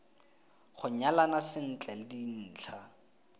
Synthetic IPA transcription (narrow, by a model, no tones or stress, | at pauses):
χʊɲalanasɪn̩t͡ɬʼɛlɪdin̩ːt͡ɬʰa